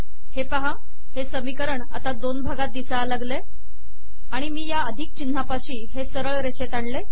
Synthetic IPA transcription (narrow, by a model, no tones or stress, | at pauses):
hepaɦa | hesəmikəɾəɳa̰t̪ad̪onbʱaɡat̪̚d̪isalaɡle | aɽ̃imiːjaəd̪ʱik̚t͡ɕin̤ːapaɕiːɦesəɾəɭɾeɕet̪aɳle